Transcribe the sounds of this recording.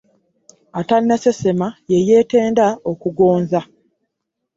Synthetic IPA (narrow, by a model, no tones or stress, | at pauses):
atanːesesemajeje̞ːte̞ːndaokuɡo̞ːnza